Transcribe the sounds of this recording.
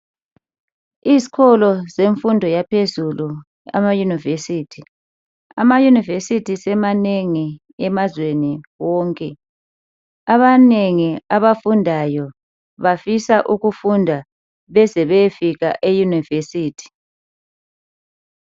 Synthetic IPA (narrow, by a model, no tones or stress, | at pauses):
izi̥kʰɔlɔzeɱfundʱɔjapʰezulu | a̰majunivesiːtʰi | a̰majunivesitʰisɛmaneŋi | ɛmazweniwɔːŋkʼɛ | aβaneŋiaβafundʱajɔ | βafisaʔuɣufundʱa | βɛzɛβɛfiɣa̰ʔejunivesiːtʰi̥